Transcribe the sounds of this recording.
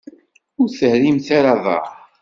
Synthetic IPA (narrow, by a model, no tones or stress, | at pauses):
ʊɾθəhɾimθaɾaðˤɑ̰